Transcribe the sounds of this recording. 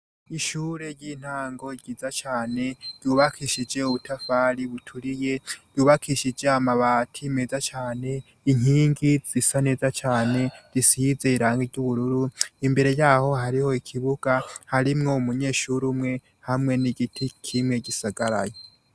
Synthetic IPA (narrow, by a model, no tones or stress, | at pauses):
iʃuːɾe̞jiːn̥haːŋɡo̞ɟiːzat͡ʃaːne̞ɾ̥juːβakʰiʃid͡ʒe̞uβutʰafaːɾiβutʰuɾije̞ɾjuːβakʰiʃid͡ʒe̞amaβaːtʰime̞zat͡ʃaːne̞ | iɲ̥iːŋɡiz̥isane̞ːzat͡ʃaːne̞disize̞iɾaːŋɡiɾɟuβuɾuɾuimbe̞ɾe̞jaːho̞haɾiho̞ikʰiβuɡ̥ahaɾimŋo̞umuɲe̞ːʃuɾumŋe̞ | hamŋe̞niɡitʰikʰimŋe̞ɟisaɡaɾa̰jo